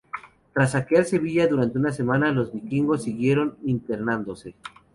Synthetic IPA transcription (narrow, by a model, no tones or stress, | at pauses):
t̪ɾas̬ːakeaɾse̞βiʝaðuɾant̪eunas̬e̞manalo̞zβikiŋɡo̞sːiɣje̞ɾo̞nint̪eɾnãnd̪o̞se̞